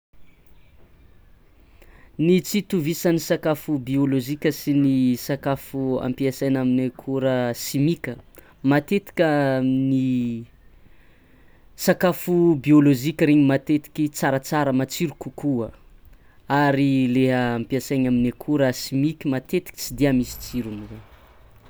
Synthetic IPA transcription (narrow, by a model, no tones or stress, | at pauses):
nit͡sit̪uvisanisakafubioloʒikʲəsinisakafua̰mpiasajnaminekʰuɾəsimikʲə | mat̪et̪i̥kʲani | sakafubioloʒikʲəɾeɲimat̪et̪i̥kʲit͡saɾat͡saɾəmat͡siɾukukuə | aɾileɦaampiasajɲaminekʰuɾəsimikʲimat̪et̪i̥kʲi̥t͡sid̪iamisi̥t͡siɾuniwe